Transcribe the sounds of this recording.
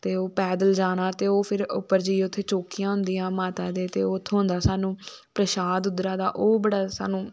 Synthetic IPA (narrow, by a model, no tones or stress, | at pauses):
t̪eːoːpɛːd̪əld͡ʒaːñaːt̪eːoːpʰɪɾʊ̰pːəɾd͡ʒiːʊt̪ʰːeːt͡ʃoːkijãːɦʊnd̪iːjãːmaːt̪aːd̪eːt̪eːoːt̪ʰːeɦʊ̃nd̪aːsaːnũːpɾəʃaːd̪ʊd̪ɾaːd̪a̰ːʔoːbəɽaːsa̰ːnũː